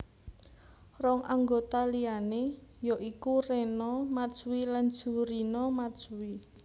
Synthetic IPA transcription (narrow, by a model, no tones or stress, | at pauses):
rɔŋʔaŋɡot̪alijanejɔʔikurenɔmad̥ʒ̥uwiland̥d͡ʒ̥ṳɾinɔmad̥ʒ̥uwi